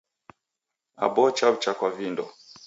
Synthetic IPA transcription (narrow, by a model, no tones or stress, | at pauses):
a̰bɔt͡ʃaβut͡ʃakwavindɔ